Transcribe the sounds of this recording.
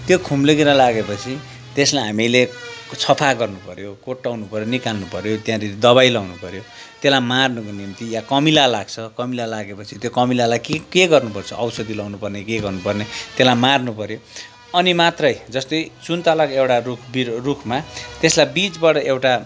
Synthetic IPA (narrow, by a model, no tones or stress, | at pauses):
t̪jokʰumleɡiɾʌlaɡepʌt͡sʰi | t̪eslajɦamilet͡sʰʌpʰaɡʌrnupʌɾjokoʈːawnupʌɾjonikalnupʌɾjot̪jãɾiɾid̪ʌβajlʌwnupʌɾjo | t̪elajmarnʌkonimt̪ijakʌmilalaɡt͡sʰʌkʌmilalaɡepʌt͡sʰit̪jokʌmilalajkekeɡʌrnupʌrt͡sʰʌʔʌwsʌd̪ilʌwnupʌrnekeɡʌrnupʌrnet̪elajmarnupʌɾjo | ʌnimat̪rʌjd͡zʌst̪ʌjt͡sunt̪alʌkewʈarukʰbirukʰmat̪eslajbit͡sbʌɽʌewʈa